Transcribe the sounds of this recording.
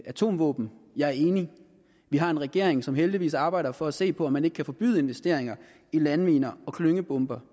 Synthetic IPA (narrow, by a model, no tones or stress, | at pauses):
ʔæt͡sʰo̝̰ːmʋɔ̰̽ːb̥n̩jɑ̈ɪæɐe̝ːni | ʋiɦɑ̈e̝nʁɛɡ̥e̝ɐ̰eŋsɒ̽mɦeld̥iʋḭːsɑ̈ːb̥ɑ̈ɪ̰d̥ɐfɒ̽æse̝̰ːpʰɒ̽ɒmːæneɡ̥kʰæfɒ̽b̥y̰ð̞ˠe̝nʋesd̥e̝ɐ̰eŋɐ | ilænʋiːnɐɒ̽kʰløŋəb̥ɔ̽mb̥ɐ